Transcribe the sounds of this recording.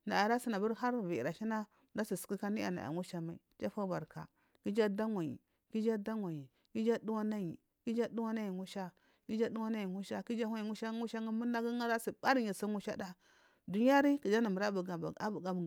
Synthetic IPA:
na˨a˨ɾa˦si˦na˨bu˦ɾɦa˦ɾvi˨i˨ɾa˨ʃi˦na˦˨ | da˦si˨su̥˨ki˦ka˦ni˦a̰˨na̰˨a̰˨ŋu˦ʃa˦ma˨ḭ˨t͡ʃa˦fa˦ba˨ɾka̰˨ | ki˦d͡ʒa˦da˦ŋʷa˨jḭ˨ | ki˦d͡ʒa˦da˦ŋʷa˨ɲi˨ | ki˦d͡ʒa˦du˦wa˦na˦ji˨ | ki˦d͡ʒa˦du˦wa˦na˦ji˨ŋu˦ʃa˦ | ki˦d͡ʒa˦du˦wa˦na˦ji˨ŋu˦ʃa˦ki˦d͡ʒa˦hʷa˦ji˨ŋu˦ʃa˦ŋu˦ʃa˦ŋi˦mu˦na˦ɡi˦ŋa˦ɾa˦si˨ba˦ɾi˦ɲi˨si˦ŋu˦ʃa˦da˦ | du˨ɲ˦a˦ɾi˦ki˨d͡ʒa˦na˨mu˨ɾa˦bu˨ɡa˦bu˨ɡa˦b

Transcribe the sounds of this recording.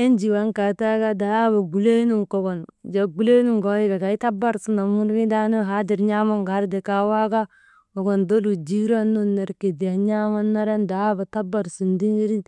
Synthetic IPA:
e˦nd͡ʒi˨wa˦ŋka˨ta˦ɡa˦da˨˦ba˨ɡu˨le˦nu˦ŋko˨ɡo˨nd͡ʒa˨ɡu˦le˦nu˦ŋɡo˦i˦ɡa˨ɡa˨i˦ta˦ba˦ɾsu˦na˨mu˦ɾɡi˦da˦no˦ɦa˦di˨ɾɲa˦ma˦ŋɡa˨˦ɾde˨ka˨˦wa˦ɡa˦ | o˨ɡo˨ndo˦lu˨d͡ʒi˦ɾa˦nːu˦nːe˨ɾke˨di˨ja˨ɲa˦ma˦nːa˦ɾa˦nda˨a˦ba˨ta˦ba˨ɾsu˨ndi˦ŋɡi˦ɾi˦

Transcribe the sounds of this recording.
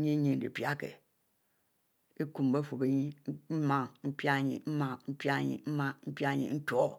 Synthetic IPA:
ɲi˦ɲi˦n̩˨dḭ˨pja˦kḛ˨ | e˦ku˨m˨be˦fo˨be˨ɲi˦m̩˦ma˦ŋm̩˦pja˦˨˦ɲḭ˨m̩˦ma˦ŋm̩˦pa˦ɲḭ˨m̩˦ma˦m̩˦pa˦ɲḭ˨n̩˦ko˨˦

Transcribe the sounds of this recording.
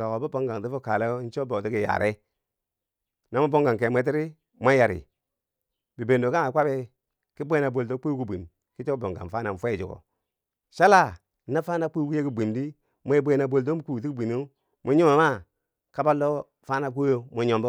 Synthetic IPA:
a˨ko˨bu˦bo˦ŋɡa˨ŋ˨ti˦fu˦ka˨lo˦n̩˦t͡ʃo˦bo˨ti˦ki˨ja̰˨ɾʔe˦ | na˨˦mu˦bo˦ŋɡa˨ŋke˨mʷ˦e˦t̬i˦ɾi˦ | ma˦ja˨ɾḭ˨ | bi˨be˨ndo˨ka˦ŋa˨˦kʷa˦be˦ | ki˦bʷe˦na˨bo˨ldo˦k͡pu˦ku˦bʷi˨m | ki˦t͡ʃo˦bo˨ŋɡa̰˨nfa˦na˨n˨fe˦˨d͡ʒu˨o̰˨ | ʃa˦la˦˨˦ | na˦fa˦na˦k͡pi˦ku˦je˦ki˨bi˨mdi˦ | m˦e˦bʷe˦na˨bo˨ldo˦mu˦ku˨i˦kbi˨nu˦ | mu˦ɲu˦ma˨ma˦ | ka˦ba˦lːo˦ | fa˦na˨ku˦o˦mu˨ɲo˨mbo˦

